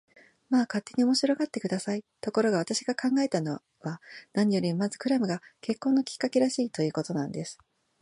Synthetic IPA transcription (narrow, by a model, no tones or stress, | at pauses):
maːkat̪ːe̞ɲ̟io̞mo̞ɕiɾo̞ɡat̪ːe̞kɯ̟d̪asait̪o̞ko̞ɾo̞ɡaβ̞at̪aɕiɡakãŋɡae̞t̪ano̞ | βanaɲ̟ijo̞ɾʲimmazɨ̥kɯ̟ɾamɯ̟ɡake̞kːo̞ːnːo̞kʲi̥kːake̞ɾaɕiːt̪o̞jɯ̟ːko̞t̪o̞nãnd̪e̞sɨ̥